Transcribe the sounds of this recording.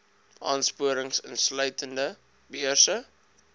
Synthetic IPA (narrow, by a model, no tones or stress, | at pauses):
ʔɑːnspuəɾəŋsənslœɥtəndə | biərsə